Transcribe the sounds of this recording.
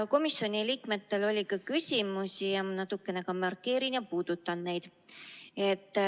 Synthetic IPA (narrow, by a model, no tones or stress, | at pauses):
ko̞misːo̞nʲiliːkme̞t̪ːe̞lo̞lʲikɑkysʲimusʲijɑmɑnɑt̪ːˑukːˑe̞ne̞kɑmɑrkːe̞ːɾinjɑpuːd̪̥ut̪ːˑɑnne̞jd̪̥ | e̞t̪ːˑ